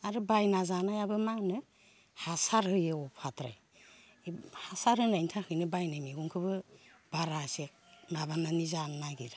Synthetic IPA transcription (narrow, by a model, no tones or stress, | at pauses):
aɾɯbajnazanajabɯmanɯ | hasaɾhɯjɯɔpʰatɾa̰j | hasaɾhɯnajntʰahʰɯjnɯbajnajmiɡuŋkʰɯbɯb̥aɾase | maβananizannaɡiɾḁ